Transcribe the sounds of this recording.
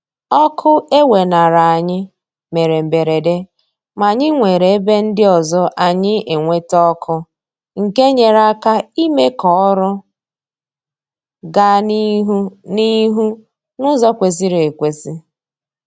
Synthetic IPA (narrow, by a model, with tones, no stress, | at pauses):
ɔ˦kʰʊ˦e˦we˨na˨ɾa˨a˨ɲɪ˦ | me˨ɾe˨m̩˨be˨ɾe˨de˦ | ma˨ɲɪ˦ŋʷe˨ɾe˨e˦be˦n̩˦dɪ˦ɔ˨zɔ˦ʔa˨ɲɪ˦e˨ŋʷe˦tɔ˦kʰʊ˦ | ŋ̩˨ke˦ɲe˨ɾa˦ka˦i˦me˦kɔ˨˦ɾʊ˦ | ɡa˦ni˦ɦu˦ni˦ɦu˦ | nʊ˦zɔ˦kʷe˨zi˦ɾe˨kʷe˨zi˦